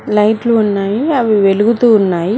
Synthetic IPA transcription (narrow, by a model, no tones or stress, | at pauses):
lɐjʈluːnːaːjiɐʋiʋeluɡut̪uːnːaːji